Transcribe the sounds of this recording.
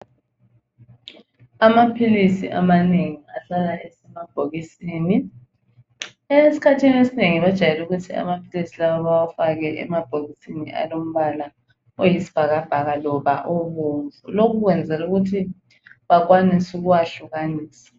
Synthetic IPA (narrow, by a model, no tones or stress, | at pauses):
amapʰilisḭʔamaneŋiaɬalaʔesɛmab̥ʱoɣisiːni | esi̥kʰatʰiniwesineŋiβad̥ʒ̥ʱajɛluɣ̬utʰia̰mapʰilisilaɓaβawafak̬ɛʔɛ̰mab̥ʱoɣisiniʔa̰lom̩βala | ojisi̥b̥ʱaɣ̬ab̥ʱaɣ̬alɔɓaʔoɓuːɱvʱulok̬uk̬wɛnd͡zʱɛluɣ̬utʰi | ɓak̬wanisuk̬uwaɬuk̬aniːsḁ